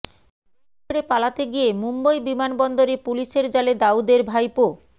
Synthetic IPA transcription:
oɾepalat̪eɡijemumbajbimanbɔnd̪oɾepuliʃeɾd͡ʑaled̪aud̪eɾbʱajpo

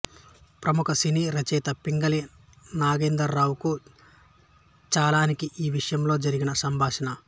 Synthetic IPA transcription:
pɾɐmukɐsiniːɾɐt͡ʃɛːt̪ɐpiŋɡɐleː | naːɡeːnd̪ɐɾːaːwku | t͡ʃaːlaːnikiʔiːʋiʂɐjɐmlo̞ːd͡ʒɐɾiɡinɐsɐmbʱaːʂɐnɐ

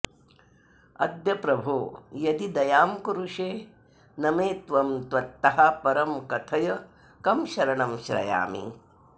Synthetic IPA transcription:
ɐ̰d̪jɐpɾɐbʱuːjɐd̪id̪ɐjaːmkuɾuʂeː | nɐmeːt̪ʋɐmt̪ʋɐt̪ːɐɦɐpɐɾɐmkɐt̪ʰɐjɐ | kɐmʃɐɾɐɳɐmʃɾɐ̰ja̰ːmḭ

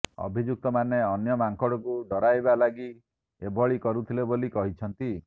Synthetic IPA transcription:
ɔ̰bʱid͡ʒuk̚t̪ɔmaneɔnjɔmaŋkɔɽɔkud̪ɔɾajbalaɡi | ebʱɔɭikɔɾut̪ʰilebolikɔɦit͡ʃʰɔnt̪i

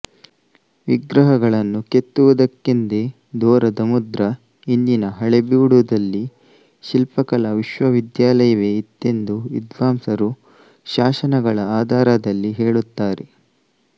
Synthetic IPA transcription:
ʋiɡɾɐɦɐɡɐɭɐnːuke̞t̪ːuʋɐd̪ɐkːind̪e | d̪ɔːɾɐd̪ɐmud̪ɾɐ | ind͡ʒinɐɦɐɭebiːɽud̪ɐlːi | ʃilpɐkɐlɐʋiʃʋɐʋid̪jaːlɐjɐʋeit̪ːe̞nd̪uʋḭd̪ʋaːmsɐɾu | ʃaːʃɐnɐɡɐɭɐaːd̪ʱaːɾɐd̪ɐlːiɦeːɭut̪ːaːɾe

